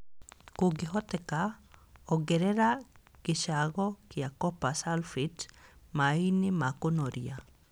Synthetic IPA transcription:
kuɡiɦot̪ekaoɡeɾeɾaɡ̥iʃaɡokiakopasalfitmainimakunoɾia

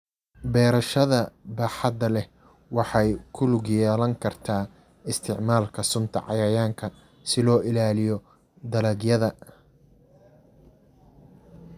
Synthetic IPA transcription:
bɛːɾɐʃɐðɐbaːħɑd̪ɐlɛ | wɑħɑjkʰʊlʊɡjɛːlɐŋkʰɐrt̪ʰaː | ɪst̪ʰɪʕmaːlkʰɐsʊnt̪ʰɐ̰ʕɑ̰jɐjaːŋkʰɐ | sɪlɔːʔɪlaːlɪjɔ | d̪ɐlɐɡjɐðɐ

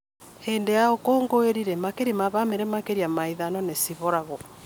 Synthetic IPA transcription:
heːndejaokoːŋɡoeɾiɾɛmakeɾimaβameɾɛmakeɾiamaiðanɔnesiβɔɾaɣɔ

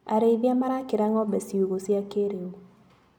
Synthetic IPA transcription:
aɾeiðjamaɾakɪɾaŋɔbɛsiuɣosjakeɾeu

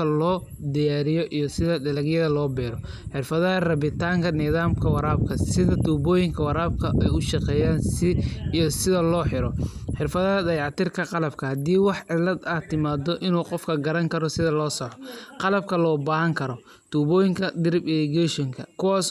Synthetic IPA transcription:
ɐlɔː | d̪ɪjaːɾɪjɔʔijɔsɪðɐdɐlɐɡjɐðɐlɔːbɛːɾɔ | ħɪrfɐðɐɦɐrɐβɪt̪ʰaːŋkʰɐnɪðaːmkʰɐwɑɾaːb̚kʰɐsɪðɐt̪uːbɔːjɪŋkʰɐwɑɾaːb̚kʰɐʔɛjʊʃɑqɛːjaːnsɪijɔsɪðɐlɔːħɪɾɔħɪrfɐðɐɐd̪ɐjʕɑt̪ɪrkʰɐqɑlɐbkʰɐhɐd̪iːwɑħʕɪlːɐd̪ɐːt̪ʰɪmaːd̪ɔʔɪnuːqɔfkʰɐɡɐɾɐŋkʰɐɾɔsɪðɐlɔːsɔʕɔqɑlɐb̚kʰɐlɔːbaːɦɐŋkʰɐɾɔ | t̪ʰuːbɔːjɪŋkʰɐd̪ɪɾɪbɪlɪɡɛʃɔŋkʰɐkʰʊwaːs

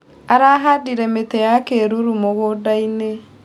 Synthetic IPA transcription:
aɾaɦadiɾɛmetejakeɾuɾumoɣodaine

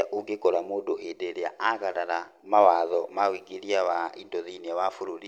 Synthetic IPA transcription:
aʔuɡekɔlamodohedeɾeaʔaɣaɾaɾa | mawaðɔmawiɡeɾiawaindɔðiniawafuɾuɾi

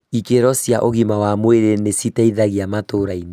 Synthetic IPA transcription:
ikeɾɔsjaʔoɣimawamweɾenesitaiðaɣiamatoɾaine

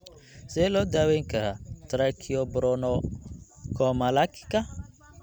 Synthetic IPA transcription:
sɛlɔːd̪aːwɛjŋkʰɐɾat̪ʰɾakʰiɔbɔɾɔnɔ | kʰɔmɐlakʰɪ̥kʰɐ

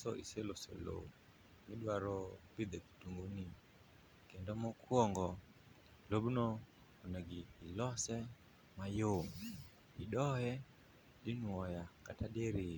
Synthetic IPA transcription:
sɔʔiselosḛlo̰ | miɗwaɾɔpid̪ɛki̥tuŋɡoni | kɛndɔmɔkʰwɔŋɡɔ | lobnɔ | onɛɡiːlɔsɛ | majo | iɗɔhɛ | ɗinuɔjakataɗeɾi

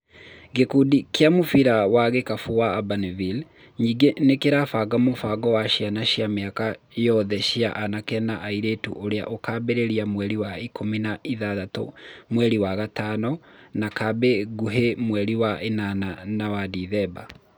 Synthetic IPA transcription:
ɡekudikʰeamofiɾawaɣekafowaːbanvil | ɲiːɡenekeɾafaɡamofaɡɔwaɕianaɕiameakajɔðɛʃia̰ʔanakɛnaʔaiɾetṵʔoɾea̰ʔokaːbeɾeɾiamwɛɾiwaikʰominaʔiðaðato̰mwɛɾiwaɣatanɔnakabeɡuɦemwɛɾiwaenananawadiðɛba

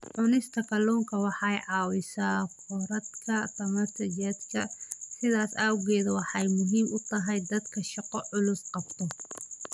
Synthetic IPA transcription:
ʕʊnɪst̪ʰɐkɐluːŋkʰɐwɑħɑjʕɑːwɪsaːkʰɔɾɐd̪kʰɐtɐmɐsɐt͡ʃɛːd̪kʰɐsɪðaːsaːwɣɛːðɐwɑħɑjmʊɦiːmʊt̪ʰɐɦɛjd̪ɐd̪kʰɐʃɑqɔʕʊlʊsqɑbt̪ʰɔ

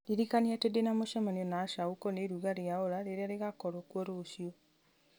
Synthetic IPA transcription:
diɾikaneatedenamoʃamaniɔnaːʃaukɔneɾuɣaɾeaoɾaɾeɾeaɾeɣakɔɾokwɔɾoːʃjo

